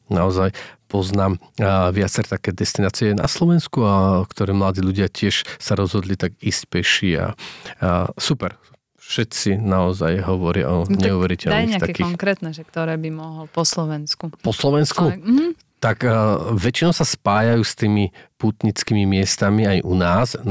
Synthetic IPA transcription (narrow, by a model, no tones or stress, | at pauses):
naɔzajpɔznaːmʋɪat͡sɛɾt̪akɛːd̪ɛst̪inaːt͡siɛna̰slɔʋɛnskuakt̪ɔɾɛːmlad̪iːʎuɟɪacɪɛʃsaɾɔzɦɔd̪lit̪aɡiːscpɛʃia̰ | supɛɾ | ʃɛt̪t͡sinaɔzajɦɔʋɔɾɪa̰ʔɔɲɛuʋɛɾicɛlnaiɲːat̪akiːɔxŋkɾɛːt̪nɛʒɛkt̪ɔɾɛːbimɔɦlpɔslɔʋɛnskupɔslɔʋɛnsku | t̪akʋɛt͡ʃinɔʊsaspaːjajuːst̪iːmipuːt̪ɲit͡skiːmimɪɛst̪amiajʔunaːs